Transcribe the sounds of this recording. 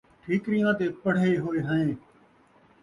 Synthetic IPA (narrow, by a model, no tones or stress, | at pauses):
ʈʰiːkɾɪjãːt̪eːpəɽ̤eːɦoːeːɦəẽː